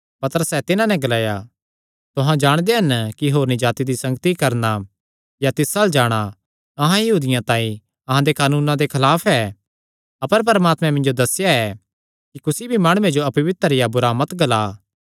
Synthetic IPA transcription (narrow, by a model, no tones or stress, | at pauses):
pɐt̪əɾəsɛt̪ɪnãnɛ̃ɡɐlaːja | t̪ʊɦãd͡ʒaːɽ̃d̪eɦɐnkiɦoːɾnid͡ʒaːt̪id̪isɐ̃ŋɡt̪ikɐɾna | jat̪ɪsald͡ʒaːɽ̃a | ɐɦãjɐɦuːd̪ɪjãt̪ãːĩ | ɐɦãd̪ekaːnuːnãd̪ekʰɐlaːpʰɛ | ɐpəɾp̬ɐɾmaːt̪mɛ̃mɪ̃nd͡ʒod̪ɐsjaɛ | kikʊsibʱimaːɽ̃ʊːẽd͡ʒoɐpɐʋɪt̪əɾɪjabʊɾaːmɐt̪ɡɐlaː